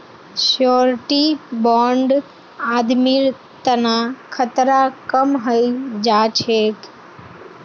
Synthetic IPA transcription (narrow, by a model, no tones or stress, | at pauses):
ʃɔːɾʈibɔ̃ːɳɖ | aːd̪miɾ | t̪ənakʰət̪ɾakəmɦəid͡ʒaːt͡ʃʰek